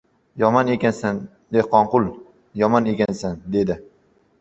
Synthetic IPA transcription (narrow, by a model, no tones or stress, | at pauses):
jɒmɒnekʲansan | d̪ehqɒɴqʊlˠ | jɒmɒne̞kʲansand̪e̞d̪ɪ